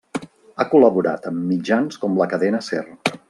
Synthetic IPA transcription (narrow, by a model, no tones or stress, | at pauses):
akuləβuɾa̰t̪əmːid͡ʒanskɔmləkəðɛnəsɛ̰r